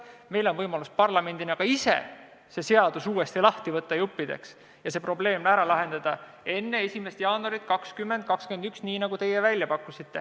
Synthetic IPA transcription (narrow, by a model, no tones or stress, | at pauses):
me̞jlo̞nvɤjmɑluspɑrlɑme̞nd̪̥inɑɡ̥ɑisḛ | se̞se̞ɑd̪̥usuːe̞st̪ilɑht̪ivɤt̪ːɑjupːid̪e̞̰ks | jɑse̞pro̞ble̞ːmæɾɑlɑɦe̞nd̪̥ɑd̪̥ɑ | e̞nːe̞esʲime̞st̪jɑːnuɑɾit̪̚kɑkskymːe̞nd̪̚kɑkskend̪yksniːnɑɡ̥ut̪e̞jevælʲjɑpɑkːˑusit̪ːe̞